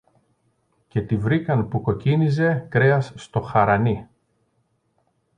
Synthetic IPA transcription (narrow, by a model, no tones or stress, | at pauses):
ce̞t̪ivɾikɐnpuko̞cinize̞kɾeɐsːt̪o̞xɐɾɐni